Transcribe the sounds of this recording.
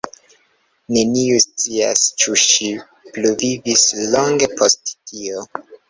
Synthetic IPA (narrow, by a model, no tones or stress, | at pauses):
ne̞niust͡sia̰st͡ʃuʃi | pluvivislo̞ŋɡe̞pʰosttʰio